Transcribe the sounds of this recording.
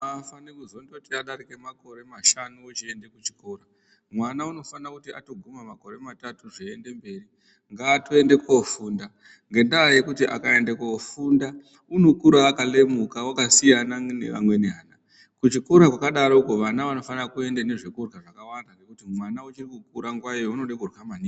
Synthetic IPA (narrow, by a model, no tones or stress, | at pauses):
afanekuzondotiaɗaɾike̞mako̞ɾe̞maʃanuːt͡ʃiende̞kut͡ʃi̥ko̞ːra | mwanauno̞fanakutia̰to̞ɡʱumamako̞ɾe̞matatuʐiende̞mbe̞ːri | ŋɡaːtoe̞nde̞kofuːnda | ŋɡe̞ndaje̞kutiʔa̰kae̞ndekofunda | uno̞kuɾaːkale̞mukawakasijananḛʋa̰mwe̞neɦaːna | kut͡ʃiko̞ɾakwakaɗaɾouko̞ʋanaʋano̞fanakue̞ndene̞ʐikurɣaʐakawandaŋɡe̞kutimwanaut͡ʃirikukuɾaŋɡwajo̞uno̞ɗekurwamani